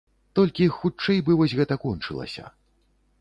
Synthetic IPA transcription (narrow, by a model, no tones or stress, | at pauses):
t̪ɔlʲkʲixut͡ʂːɛjbɨvɔsʲɣɛt̪ɐkɔnt͡ʂɨ̰lˠɐ̰sʲɐ̰